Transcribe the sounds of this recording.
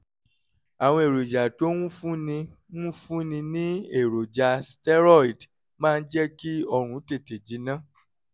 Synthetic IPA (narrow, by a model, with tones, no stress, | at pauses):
a˨w̃ɔ̃˧e˨ɾo˨d͡ʒa˨to˨˦ŋũ˦fũ˦nĩ˧ | ŋũ˦fũ˦nĩ˧nĩ˦e˦˨ɾo˨d͡ʒa˧stɛ˦ɾɔ˦˨i˨d | mãː˦˧n̩˦d͡ʒɛ˦ki˦ɔ˧ɾ̃ũ˨˦te˦˨te˨d͡ʒi˨˦nã˦˨